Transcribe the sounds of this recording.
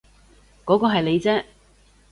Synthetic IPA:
kɔː˨˥kɔː˧ɦɐ˨jle˨˧jt͡sɛː˥

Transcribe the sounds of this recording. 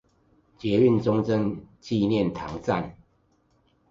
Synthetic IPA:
t͡ɕjɛ˨˦y˥˨nt͡sʊ˦ŋt͡sə˦ŋt͡ɕi˥˧njɛ˥˨nt̪ʰa˨˦ŋt͡sa̰˥˨n

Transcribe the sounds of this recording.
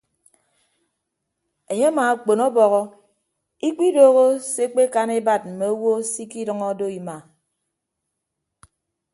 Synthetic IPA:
e˨ɲe˦maː˨k͡po˨nɔ˦bɔ˨ɣɔ˦ | i˦k͡pi˦doː˦ɣo˦se˦k͡pe˦ka˦ne˦ba˦˨t̚m̩˨me˨o˦wo˦si˦ki˦dʌ˦ŋɔ˦do˦i˨ma˨

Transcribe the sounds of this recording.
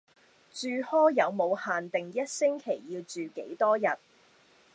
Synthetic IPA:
t͡ʃyː˨hɔː˥jɐ˨˧wmo˨˧whaː˨nt̪ɪ˨ŋjɐ˥t̚sɪ˥ŋkʰe˨˩jːiː˧wt͡ʃyː˨kḛ˨˥jt̪ɔː˥jɐ˨t̚

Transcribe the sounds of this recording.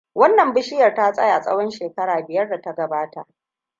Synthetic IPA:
wɐ˦nːɐ˨mbɪ˦ʃɪ˦jɐ˨rtaː˦sʼɐ˦ja˨sʼɐ̰˦wɔ˦nʃeː˨kɐ˦ɽaː˨bɪ˨jɐ˦rda˨ta˦ɡɐ˨baː˦ta̰˨ʔ

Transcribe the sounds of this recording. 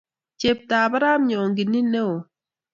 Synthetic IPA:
t͡ʃe˨p̚taː˨ba˦ɾa˦mɲɔ˨ŋɡɪ˨nːi˦ne˦o˨

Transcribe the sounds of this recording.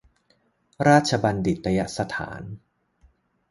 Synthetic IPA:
ɾaː˥˩t̪̚t͡ɕʰa˧ba˧ndi˨˩t̪̚ːa˧ja˦sa˧t̪ʰa̰ː˩˦n

